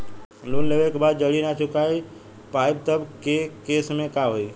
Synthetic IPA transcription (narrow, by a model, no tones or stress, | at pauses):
lonleʋekbad̪̚d͡ʒəɽinat͡ʃʊkai | pajb̚t̪əbkekesmẽkaɦoi